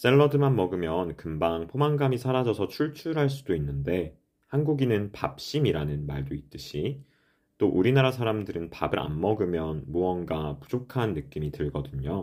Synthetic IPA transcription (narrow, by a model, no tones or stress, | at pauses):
s͈e̞ɭːʌdɯmanmʌɡɯmjʌnkɯmbaŋpʰomaŋɡamisʰaɾad͡ʑʌsʰʌt͡ɕʰuɭt͡ɕʰuɾɦaɭs̬͈udoinːɯnde̞ | hanɡuɡinɯnpap̚ɕ͈imiɾanɯnmaɭdoit̚t͈ɯɕʰi | t͈oʔuɾinaɾasʰaɾamdɯɾɯnpa̰bɯɾʔa̰nmʌɡɯmjʌnmuʌnɡapu̥d͡ʑokʰanːɯk͈imitɯɭɡʌdɯɲo